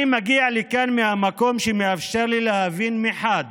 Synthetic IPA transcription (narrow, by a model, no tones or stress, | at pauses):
imaɡialikanmehamako̞mʃemeafʃeʁlilehavinmiħad̪